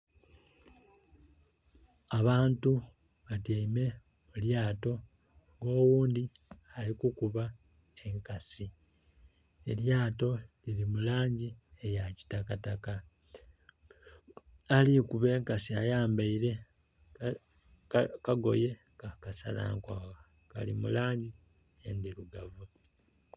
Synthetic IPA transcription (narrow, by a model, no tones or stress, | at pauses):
aβaːntu | βatiime̞ | muljaːto̞ | ŋɡo̞ːwuːndi | alikukuβa | e̞ŋkasi | e̞ljaːto̞lilimulaːɲɟiejaci̥takataka | alikuβe̞ːŋkasiajaːmbaiɾe̞ | kaɡo̞̰je̞ | kakasa̰la̰ːŋkwaːwa | ka̰limulaːɲɟi | jendiluɡavu